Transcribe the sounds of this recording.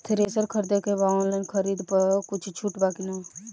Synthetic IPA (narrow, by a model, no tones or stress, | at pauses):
t̪ʰɾeːsəɾkʰəɾd̪ekebaɔ̃ːnlaːnkʰəɾiːd̪pəkʊt͡ʃʰt͡ʃʰuʈbaːkina